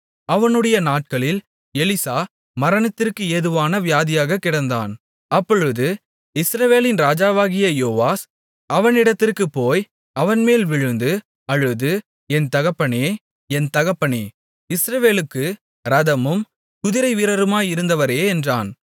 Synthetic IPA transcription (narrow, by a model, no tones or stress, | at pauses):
ɐʋɐnɯɽɐjɐnaːʈ̚kɐɭɪl | ɛlɪsaː | mɐɾɐɳɐt̪ːɪrkɯɛðɯʋaːnɐʋɪjaːðɪjaːɣɐkːɪɽɐnd̪a̰ːn | ɐpːɔɻɯðɯ | ɪsɾɐʋeːlɪnɾaːd͡ʒaːʋaːɣɪjɐjoːʋaːs | ɐʋɐnɪɽɐt̪ːɪrkɯpːoːj | ɐʋɐnmeːlʋɪɻɯnd̪ɯ | ɐɻɯðɯ | ɛnt̪ɐɣɐpːɐɳeː | ɛnt̪ɐɣɐpːɐɳe | ɪsɾɐʋeːlɯkːɯ | ɾɐðɐmɯm | kʊðɪɾɐɪʋiːɾɐɾɯmaːjɪɾɯnd̪ɐʋɐɾeːɛndraːn